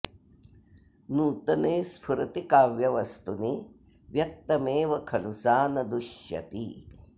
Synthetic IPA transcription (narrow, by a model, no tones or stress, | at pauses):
nuːt̪ɐneːspʰuɾɐt̪ikaːʋjɐʋɐst̪uni | ʋjɐk̚t̪ɐmeːʋɐkʰɐlusaːnɐd̪uʃjɐ̰t̪i